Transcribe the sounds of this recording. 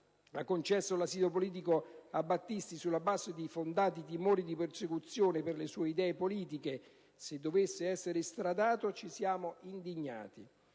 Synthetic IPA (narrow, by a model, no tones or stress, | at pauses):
akːont͡ʃɛsːolasiːd̪opoliːt̪̬ikoabːat̪ːist̪isulːabazːed̪ifond̪aːt̪it̪imoːɾid̪ipersekut̪sːjoːnepɪrlesuːeid̪ɛːepoliːt̪̬ike | sed̪ːovesːeɛsːeɾest̪ɾad̪aːt̪ot͡ʃisjaːmoind̪iɲːa̰ːt̪i